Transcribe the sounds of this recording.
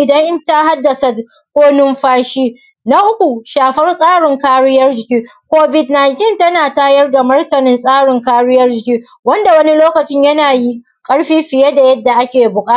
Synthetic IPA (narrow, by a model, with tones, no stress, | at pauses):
ʔɪ˨dɐ˦ŋʔɪ˦nta˦ɦa˦dːɐ˨sa˨ | kʷoː˦nʊ˦mɸaː˦ʃiː˦ | na˦ʔʊ˦kʷu˨ʃaː˨ɸɐ˦rsʼaː˦ɽɪ˨ŋkaː˦ɽɪ˦jɐ˦rd͡ʒɪ˨kʲiː˦ | kʷoː˦bɪ˨tna˨jntɪ˦ntɐ˦naː˨taː˦jɐ˦rda˨mɐ˦rtɐ˨nɪ˦nsʼaː˦ɽɪ˨ŋkaː˦ɽɪ˦jɐ˦rd͡ʒɪ˨kʲiː˦ | wɐ˦nda˨wɐ˦ni˦loː˦kɐ˨t͡ʃɪ˦ɲjɐ˦naː˨ji˦ | kʼɐ˦ɽɸiː˦ɸɪ˨jɛ˦da˨jɐ˦dːa˨ʔa˦kʲeː˨bʊ˨kʼaː˦˨